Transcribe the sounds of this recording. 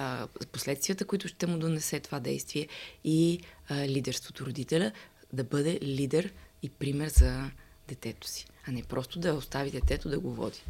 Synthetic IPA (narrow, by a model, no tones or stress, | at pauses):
poslɛt̪st̪vijət̪əkʊit̪ʊʃt̪ɛmʊd̪onɛsɛt̪ovad̪ɛ̰jst̪viɛi | lid̪ɛɾst̪vot̪ʊɾod̪it̪ɛlʲə | d̪ɐbɤd̪ɛlid̪ɛɾipɾimɛɾzɐ | d̪ɛt̪ɛt̪ʊ̥si̥ɐnɛpɾɔst̪od̪ɐost̪avid̪ɛt̪ɛt̪od̪ɐɡovɔ̰d̪i̥